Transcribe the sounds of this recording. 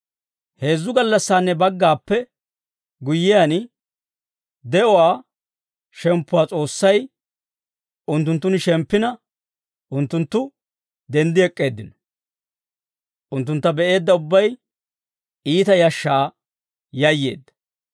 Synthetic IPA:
he̞ːzːʊɡɐlːɐsːaːnːɛbɐɡːaːpːɛ | ɡʊjːɪjan | d̪ɛʔɔwaː | ʃɛmpːʊwaːt͡sʼo̞ːsːɐj | ʊnt̪ːʊnt̪̬ːʊnɪʃɛmpːɪnɐ | ʔʊnt̪ːʊnt̪ːʊ | d̪ɛnd̪ɪɛkʼːe̞ːd̪ːɪnɔ | ʔʊnt̪ːʊnt̪ːɐbɛʔe̞ːd̪ːɐʊbːɐj | iːt̪ɐjɐʃːaː | jɐjːe̞̰ːd̪ːɐ̥

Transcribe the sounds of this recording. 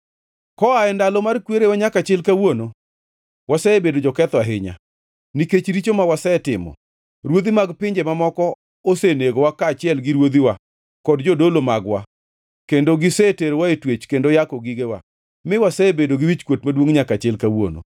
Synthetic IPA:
kɔaɛndalɔmarkweɾewaɲakat͡ʃɛlkawono | wasɛebedod͡ʒɔkɛt̪ɔaɦɪɲa̰ | niket͡ʃɾit͡ʃomawasɛtɪmɔ̰ | ɾwod̪imaɡpɪɲd͡ʒemamɔkɔ | oseneɡowakat͡ʃɪɛlɡɪɾwod̪iwa | kɔdd͡ʒodolomaɡwa̰ | kendoɡɪseteɾwaetwet͡ʃkendojakɔɡiɡewa̰ | mɪwasɛebedoɡɪwit͡ʃkwotmadwoŋɲakat͡ʃɛlkawo̰no̰

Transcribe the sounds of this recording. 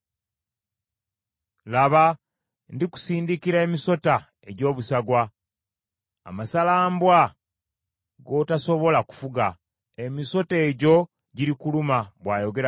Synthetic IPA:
laβa | ndiku̥siːndikiɾaemiso̞ta | e̞ɟo̞ːβusaɡwa | masalaːmbwa | ɡo̞taso̞βo̞laku̥fuɡa | e̞miso̞te̞ːɟo̞ | ɟiɾikulumaβwaːjo̞ɡe̞ɾa

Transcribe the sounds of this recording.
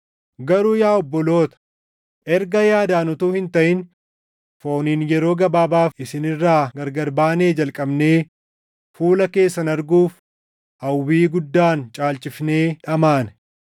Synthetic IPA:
ɡɐɾuːjaːɔbːɔlo̞ːt̪ɐ̥ | ʔɛɾɡɐjaːd̪aːnʊt̪uːhɪnt̪ɐʔɪn | fo̞ːniːnjɛɾo̞ːɡɐbaːbaːfɪsɪnɪrːaːɡɐɾɡɐɾbaːne̞ːd͡ʒɐlkʼɐbne̞ː | fuːlɐke̞ːsːɐnɐɾɡuːf | ʔɐwːiːɡʊd̪ːaːnt͡ʃʼaːlt͡ʃʼɪfne̞ːᶑɐmaːn

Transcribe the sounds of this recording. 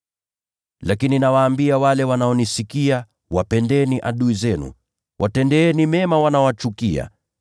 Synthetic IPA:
lakininawaːmbiawalɛwanaɔnisikia | wapɛndɛniʔaɗuizɛnṵ | wʔatɛndɛɛnimɛmawanawat͡ʃukia̰

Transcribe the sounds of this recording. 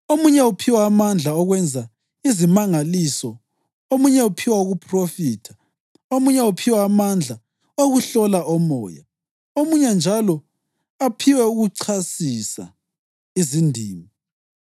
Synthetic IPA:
omuɲɛupʰiwaːmand͡ɮʱaɔɣwɛnd͡zʱa | izimaŋalisɔ | omuɲɛupʰiwauɣupʰʼrofiːtʰḁ | omuɲɛupʰiwaːmand͡ɮʱa | oɣuɬɔlaʔɔmɔ̰ːja̰ | omuɲɛnd͡ʒʱalɔ | apʰiwɛuɣuǀʰasisa̰ | izindʱiːmi

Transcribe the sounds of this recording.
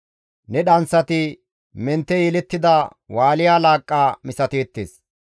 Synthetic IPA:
nɛɗɐnsɐt̪ɪ | mɛnt̪ːɛjɛlɛt̪ːɪd̪ɐwaːlɪjaːlaːkʼːaːmɪsɐt̪eːt̪ːḛːs

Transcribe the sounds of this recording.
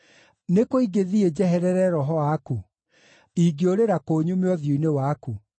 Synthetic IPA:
nekoiɡeðied͡ʑɛɦɛɾɛɾɛɾɔɦɔwaku | iɡeoɾeɾakoːɲumeɔðjuinewaku

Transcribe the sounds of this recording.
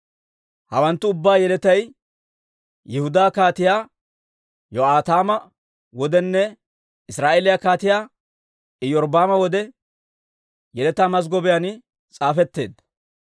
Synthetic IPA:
hɐwɐnt̪ːʊʊbːaːjɛlɛt̪ɐj | jɪhʊd̪aːkaːt̪ɪjaː | jɔaːt̪aːmɐ | wɔd̪ɛnːɛ | ɪsɾaːʔeːlɪjakaːt̪ɪjaː | ɪjɔɾbaːmɐwɔd̪ɛ | jɛlɛt̪aːmɐs̬ɡɔbɛjanɪ | t͡sʼaːfɛt̪ːe̞̰ːd̪ːɐ̥

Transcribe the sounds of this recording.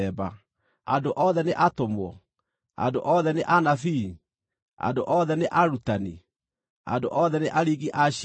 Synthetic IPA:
ɛba | adoʔɔðɛneʔatomwɔ̰ | a̰doʔɔðɛneʔanafiː | a̰ndoʔɔðɛneʔaɾutani | a̰ndo̰ʔɔðɛneʔaɾiɣiʔaɕ

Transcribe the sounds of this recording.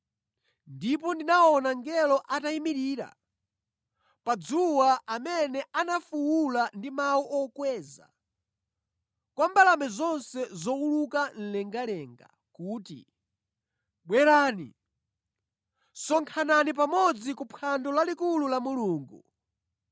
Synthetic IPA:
ndip̬ɔndinaɔnaŋɡɛlɔʔataimiɾiːɾa̰ | pad͡zuwaʔamɛnɛʔanafuwulandimawuʔɔkwɛːza̰ | kwambalamɛzɔnsɛzɔulukan̩lɛŋɡalɛːŋɡa̰ | kuːtḭ | ɓwɛɾaːnḭ | sɔŋkʰananip̬amɔd͡zikupʰandɔlalikululamuluːŋɡu

